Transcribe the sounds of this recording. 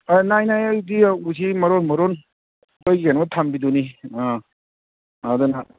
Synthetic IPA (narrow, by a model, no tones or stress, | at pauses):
anajnajajdiusimɐɾonmɐɾon | ojɡienmɐtʰambidunia | dɔna